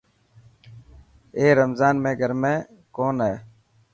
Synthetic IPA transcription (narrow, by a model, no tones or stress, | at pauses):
eːɾəmzaːnmẽːɡʱəɾmẽː | koːnɦɛː